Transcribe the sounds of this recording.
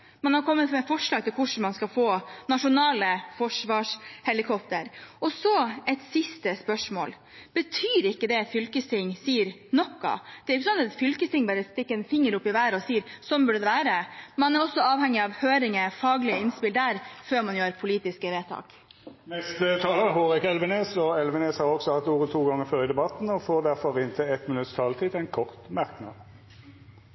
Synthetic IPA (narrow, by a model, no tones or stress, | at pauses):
mɑnhɑɾkʰɔmːət̪mɛfɔʂɭɑːɡ̚t̪ɪlkʰʊʂɳ̩mɑnskɑfoːnɑʂʊnɑːləfɔʂʋɑːʂhɛlɪkʰɔpt̪əɾʔɔsɔɛt̪sɪst̪əspœʂmo̰ːl | b̥ət̪ʰyːɾɪkːəd̪ɛt̪fʏlkəst̪ɪŋːsiːəɾnɔkːɑ̰d̪̥ɛɾʊçːəsɔnːɑt̪fʏlkəst̪ɪŋbɑːɾəst̪ɪkːəɛnfɪŋːəɾʊpːɪʋæːɾɔsiːɾsɔmbʉɖəd̪ɛʋæːɾəmɑnæɾɔsːɔɑːʋhɛŋːɪɑʋhøːɾɪŋəfɑːɡlɪəɪnspɪld̪æɾføːɾmɑnjøːɾpʰʊliːt̪ɪskəʋeːt̪ʰɑ̰ːk | mɛst̪ət̪ʰɑːləəhoːʁɪkɛlʋəneːsɔɛlʋəneːshɑːɔksɔhɑt̪ːuːʁət̪ʰuːɡɑŋːəføːʁəd̪ɛbɑt̪n̩ɔfoːd̪æʁfɔʁɪnt̪ʰɪɛt̪mɪnʉt̪st̪ʰɑːlt̪ʰiːt̪ɛɪnkʰɔʁt̪mæʁknɑ̰d̪